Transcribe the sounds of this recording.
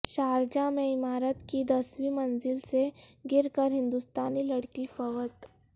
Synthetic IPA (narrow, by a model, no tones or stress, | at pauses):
ʃaːɾd͡ʒamẽɪmaːɾət̪kid̪ɐswimɐnzɪlseɡɪɾkəɾɦɪ̃nd̪ust̪aːnilɐɽkifəʋət̪